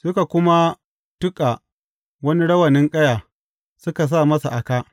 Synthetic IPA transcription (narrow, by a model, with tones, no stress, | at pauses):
sʊ˦ka˨kʷʊ˦ma˦ | tʊ˦kʼa˨ | wɐ˦ni˦ɽɐ˦wɐ˨nɪ˦ŋkʼɐ˦jaː˨ | sʊ˦ka˨s̬aː˦˨mɐ˦sa˨ʔa˨kaː˦ʔ